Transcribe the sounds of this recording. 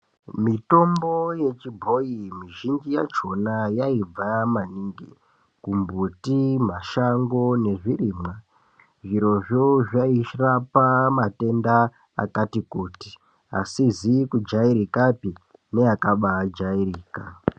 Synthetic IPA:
mito̞mbo̞je̞t͡ʃibʱo̞imiʒind͡ʒija̰t͡ʃo̞najaib͡vamaniːŋɡi | kumbutim̤aʃaŋɡo̞ne̞ʐiriːmwa | ʐiɾo̞ʐoʐaiʃrapamate̞nda̰ː | katikuːti̥ | a̰sizikud͡ʒaiɾikapine̞akaɓad͡ʒairiːka

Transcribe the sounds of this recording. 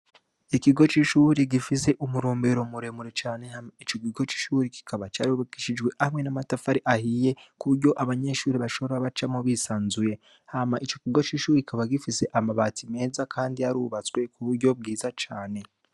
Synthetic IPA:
ikiɡo̞t͡ʃiʃuɾiɡifise̞ʔumuɾoːmbe̞ɾo̞muɾe̞muɾe̞t͡ʃaːne̞hamait͡ʃo̞kiɡo̞t͡ʃi̥ːʃuːɾiki̥kʰaβat͡ʃaːɾiuβaki̥ʃid͡ʒɡwe̞ʔahamŋe̞namatafaɾiʔahije̞kuɾɟo̞ʔaβaɲe̞ʃuːɾiβaʃo̞βoɾaβat͡ʃamoβiːsaːnzuje̞ | hamaʔit͡ʃo̞kiɡo̞t͡ʃiʃuːɾekikaβaɡifise̞ʔamaβatime̞ːzakʰaːndiaɾuβat͡swe̞kuβuɾɟo̞b̚ɡiːzat͡ʃaːne̞

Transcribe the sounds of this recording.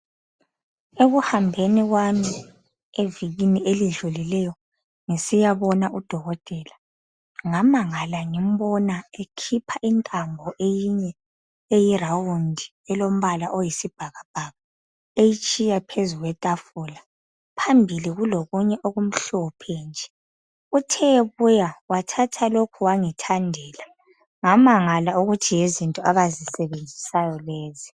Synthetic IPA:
eɣuhambʱeniɣwami | eviɣiniʔeliɮulilɛjɔ | ŋisijaβɔnaʔud̥ʱɔɣɔtʼɛːla | ŋamaŋalaŋim̩βɔnaekʰipʰaʔintʼambʱɔʔejiɲɛ | ejirawundʱi | ɛlom̩βalaʔojisib̥ʱaɣab̥ʱaɣa | ejit͡ʃʼijapʰezuɣwɛtʼafula | pʰambʱiliɣuloɣuɲɛʔoɣum̩ɬɔpʰɛnd͡ʒʱɛ | utʰɛeβujawatʰatʰalokʰuwaŋitʰandʱɛːla | ŋamaŋalauɣutʰijezintʼɔaβazisɛβend͡zʱisajɔleːzi

